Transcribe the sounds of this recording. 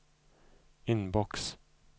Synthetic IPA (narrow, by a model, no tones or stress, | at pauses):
ɪnbɔks